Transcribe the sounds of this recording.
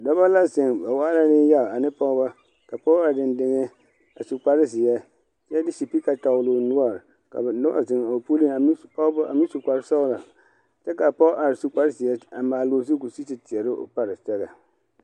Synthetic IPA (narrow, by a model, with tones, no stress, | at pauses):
dɔ˦ba˦la˦zɪ˨ŋba˨waː˦la˦nɪ˦ja˦˨a˨nɪ˦pɔ˦ba˦ | ka˨pɔ˦a˨dɪ˨ndɪ˦ŋɛ˦ | a˨su˨k͡pa˨ɾɪ˦zɪ˨jɛ˦ | t͡ʃɛ˦dɪ˦si˨pi˦ka˨ta˨ʊ˨lʊ˨nʊ˦a˦˨ | ka̰˨bnʊ˦a̰˦zɪ˨ŋa˨pu˦li˦ŋa˨m˦a˨mi˦su˨ka˨ɾɪ˦sa˦ʊ˦la˨ | t͡ʃɛ˦ka˨pɔ˦ʔa˨ɾsu˦k͡pa˦ɾɪ˦zɪ˨jɛ˦a˨maː˨lo˨zu˦ku˨si˦sɪ˨tɪ˨ɛ˨ɾɪ˦ʔo̰˦˨pa˨ɾɪ˨sɛ˦ɣa˨